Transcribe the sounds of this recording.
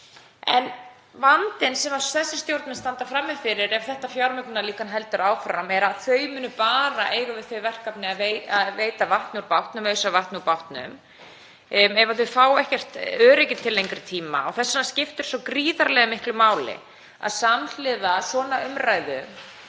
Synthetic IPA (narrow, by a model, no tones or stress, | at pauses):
ɛ̰n | vant̪ɪnsɛmaθɛsːɪ̥st̪jowɾt̪mɪnst̪ant̪afɾamːɪfɪɾɪɾɛv̥θɛht̪afjawɾmʏklʏnaliːkanɦɛl̪t̪ʏɾaːwfɾamɛɾaðθœɥmʏnʏpaːɾaʔeːjɣʏvɪð̥θœɥvɛr̥kapnɪaðveaðveːjt̪avaht̪nuɾpawt̪nʏmœːɥsavaht̪nɪupawht̪nʏ̰m | mɛvaθʏfaːwɛhcɛr̥t̪œːɾejcɪt̪ʰːɪlːejŋkɾɪt̪ʰiːma̰ɔɣθɛsːanascɪft̪ʏɾ̥sɔwkɾiːðaɾlɛɣamɪhklʏmaːwlɪ̰ | a̰ðsaml̥ɪðasɔːnaʏmraːjðʏ